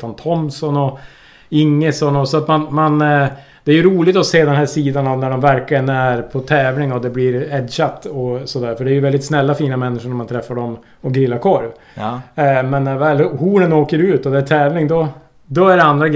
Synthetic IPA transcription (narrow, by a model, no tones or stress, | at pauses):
fant̪ʰɔmsɔnɔ | ɪŋːəsɔnɔsɔat̪manman | d̪̥ɛæɾjɵɾuːlɪɡt̪ɔseːd̪ɛnhæːʂiːd̪anɔvnæɖɔmvæɾklɪɡənæɾpʰɔt̪ʰɛːvlɪŋɔd̪ɛblɪɾɛd̪ɕat̪ːɔsɔd̪æːɾfœɖɛːɾjɵvɛld̪ɪt̪snɛlːafiːnamɛnːɪʂʊɳamant̪ʰɾɛfːaɖɔm | ɔɡɾɪlːaɾkʰɔɾv | mɛnːvɛːlhuːɳənoːkəɾʉːt̪ɔd̪ɛːt̪ʰɛːvlɪŋd̪ɔ | d̪ɔæɖɛand̪ɾaɡ